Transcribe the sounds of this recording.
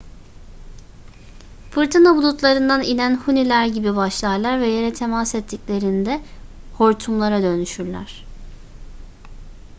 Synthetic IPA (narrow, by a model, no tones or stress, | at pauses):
fɯɾt̪ʰɯnabulˠut̪lˠaɾɯnd̪aninænhunilʲæɾɟibibaʃlˠaɾlˠaɾvɛjeɾɛt̪ʰe̞masɛt̪ʰːiclʲe̞ɾind̪ɛho̞ɾt̪ʰumlˠaɾad̪ø̞nyʃyɾlʲæ̰ɾ̝̥